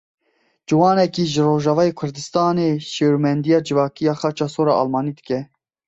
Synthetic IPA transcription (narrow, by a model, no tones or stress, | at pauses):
d͡ʒɨwɑːnɛkiːʒɨɾoːʒɑːvɑːjeːkʰʊɾd̪ɨst̪ɑːneːʃeːɾumɛnd̪ijɑːd͡ʒɨvɑːkijɑːxɑt͡ʃɑːsoːɾɑ̰ːʔɑ̰lmɑːniːd̪ɨkɛ